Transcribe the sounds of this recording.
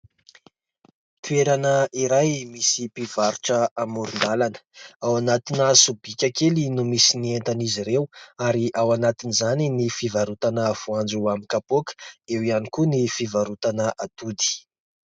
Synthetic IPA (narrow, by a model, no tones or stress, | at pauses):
t̪ueɾanəiɾajmisipiv̥aɾuʈ͡ʂəamuɾund̪alanə̥awanat̪inasubikʲakelinumisinient̪aniziɾewaɾiʔawanat̪inizaninifivaɾut̪anəv̥uand͡zuamikapokə̥ewianikunifivaɾut̪anəʔad̪ud̪i̥